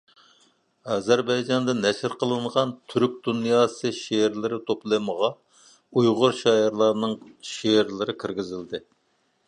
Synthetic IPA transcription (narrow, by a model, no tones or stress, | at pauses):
ɑzɛɾbɑjd͡ʒɑnd̪ɨnɛʃɪɾqʰəlˠɨɴʁɑnt̪ʰyɾk̚ʲd̪unjɑːsɨʃeɾlɪɾɪt̪ʰoplˠɨməʁɑ | ujʁʊɾʃɑɪɾlˠɑɾnɨŋʃeɾlɪɾɪkʲʰiɾɡʲɪzɪld̪ɪ